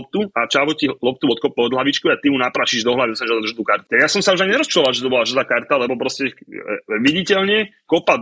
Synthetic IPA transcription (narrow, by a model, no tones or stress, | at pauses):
p̚t̪uat͡ʃaʋɔcilɔp̚t̪uɔt̪kɔpɔd̪laʋit͡ʃkɔat̪imunapɾaːʃiʒd̪ɔɦlaʋiɔsaʒɛd̪ɔd̪ʒad̪ukaɾt̪jasɔmsauʒajɲɛɾɔst͡ʃɔalˠʒɛt̪ɔbɔlaʒad̪aːkaɾt̪alɛbɔpɾɔscɛ | ʋiɟicɛlɲɛ | kɔpad̪